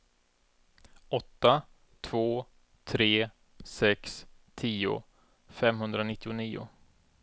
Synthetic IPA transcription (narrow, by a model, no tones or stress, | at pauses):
ɔt̪ːa | t̪ʰv̥oː | t̪ʰɾeː | sɛkst̪ʰiːʊ̰ | fɛmɦɵnd̪ɾanɪt̪ːɪʊniːʊ̰